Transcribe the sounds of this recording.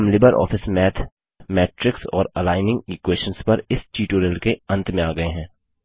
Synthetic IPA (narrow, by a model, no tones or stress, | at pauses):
mlɪbəɾʔɔ̰ːfʰɪsmɛːt̪ʰ | mɛːʈɾɪksɔːɾɐlaːɪnɪ̃ŋɡiːkweːʃə̃nspɐɾɪst͡ʃiːʈoːɾɪlkeɐ̃nt̪mẽaːɡɐeɦɛ̃ː